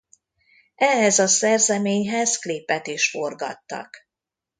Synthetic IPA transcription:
ʔɛɦɛzɒsɛrzɛmeːɲɦɛzklipːɛt̪iʃforɡɒ̰t̪ːɒ̰k

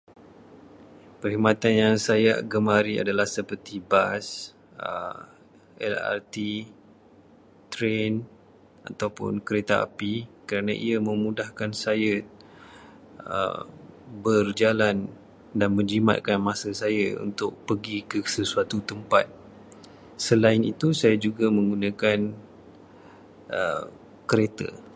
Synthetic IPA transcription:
pəɾhimat̪anjaŋsajaɡəmaɾia̰dalahsəpərt̪ibas | ə̰ | ɛ̰la̰rt̪i | t̪ɾen | a̰t̪awpʊ̰nkəɾet̪aa̰pikəɾanãʔiamə̃mudahkansaja | ə̰ | bərd͡ʒalan | danmə̃ɲd͡ʒima̰t̪̚kanmãsasajaṵnt̪ʊk̚pəɡikəsəsuat̪ut̪əmpat̪̚ | səlaɪnit̪usajad͡ʒuɡamə̃ŋɡunãkan | ʔə̰ | kəɾet̪a̰

